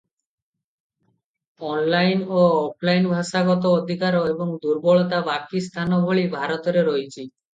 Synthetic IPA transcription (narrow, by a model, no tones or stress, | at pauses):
ɔnlajnoɔpʰlajnbʱaʃaɡɔt̪ɔːd̪ʱikaɾoebɔŋd̪uɾbɔɭɔt̪abakist̪ʰanɔbʱoɭibʱaɾɔt̪ɔɾeɾɔjt͡ʃʰi